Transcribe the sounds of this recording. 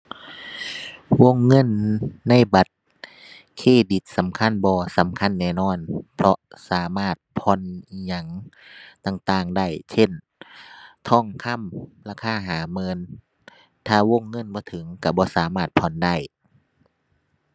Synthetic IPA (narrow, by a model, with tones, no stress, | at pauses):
wo˧˨ŋːɤ˧˥˨nːa˧˥˨jba˨˦t̪̚ | kʰeː˧˥˩di˨˦t̪̚sa˨˦mkʰa˧˥˨nbɔː˧˦sa˨˦mkʰa˧˥˨nːɛː˧˩˨nɔː˧˥˨npʰlɔ˧saː˨˦maː˧˥˩t̪̚pʰɔ˧˥˨ni˧ɲa˧˩ŋt̪a˧˩ŋt̪aː˧˩ŋda˧˥˩jsʰe˧˥˨n | t̪ʰɔː˧˩˨ŋkʰa˧˥˨mlaː˧˩kʰaː˧˥˨ɦaː˨˦mɤː˧˥n | t̪ʰaː˧˩wo˧˥˨ŋːɤ˧˥˨nbɔː˧˦t̪ʰɯ˨˦ŋka˧˩bɔː˧˦saː˨˦maː˧˩t̪̚pʰɔ˧˨nda˧˥˩j